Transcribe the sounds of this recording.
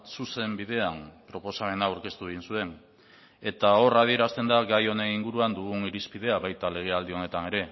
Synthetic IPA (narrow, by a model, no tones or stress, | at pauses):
suse̞mbið̞e̞ampɾo̞po̞same̞nawɾke̞st̪uβe̞ɣinsue̞n | e̞t̪ao̞rað̞ie̞ɾast̪e̞nd̪aɡajo̞ne̞niŋɡuɾuand̪uɣ̞uniɾispið̞e̞aβajt̪ale̞ɣ̞e̞ald̪io̞ne̞t̪ane̞ɾe̞